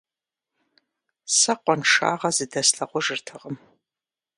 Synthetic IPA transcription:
sɐqʷɔnʂa̰ːʁɐzɨdɐsɬɐʁʷʊʒɨrtʰɨʁəm

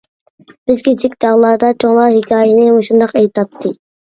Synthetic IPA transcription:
b̥ɪzkʲʰit͡ʃʰikʲd̪ɑʁlˠɑɾd̪ɑt͡ʃʰoŋlˠɑhɪkʲʰɑːjɪnɪoʃund̪ɑqejt̪ɑt̪ʰːɨ

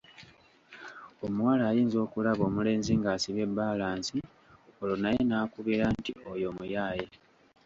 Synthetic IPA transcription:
o̞muwalaːjiːnzo̞ːkulaβo̞ːmule̞ːnziŋɡaːsiβe̞bːaːlaːnsi | olonajenaːkuβiɾantio̞jo̞mujaːje

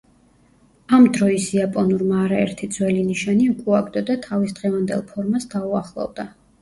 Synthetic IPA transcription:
amd̪ɾɔisiapʼɔnuɾmaːɾaɛ̰ɾt̪ʰid̪zwɛliniʃaniukʼuaɡd̪ɔd̪at̪ʰavisd̪̥ʁɛvand̪ɛ̰lˠpʰɔɾmasd̪auaχlˠɔ̰vd̪a

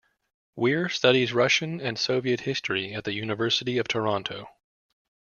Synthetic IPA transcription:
wɪɹstʌɾizɹʌʃɨ̃nɨ̃nsoʊviɨt̚hɪstɹ̥iɨt̪̚ðɨjʉnɨvɜ˞sɨɾiʌv̥tʰə˞ɑ̃ntʰoʊ

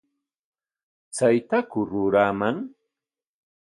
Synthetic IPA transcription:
t͡sajt̪akʊɾʊɾamaŋ

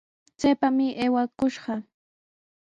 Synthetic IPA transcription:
t͡sajpamɪʔajwakʊʃɢɑ

